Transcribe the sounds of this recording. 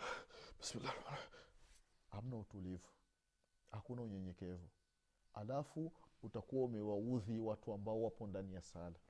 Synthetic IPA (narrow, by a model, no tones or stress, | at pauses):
masila | ham̩nautulivu̥ | hakunauɲɛɲɛkɛvu | alafuutakuwaumɛwauðiwatuambaɔwapɔndanijasala